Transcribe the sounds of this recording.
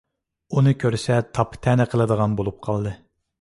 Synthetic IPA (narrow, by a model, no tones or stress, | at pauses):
unɨkʲʰøɾsɛt̪ʰɑpʰːt̪ʰɛnɛqʰəlˠɨd̪əʁɑnbolˠup̚qʰɑlˠd̪ɨ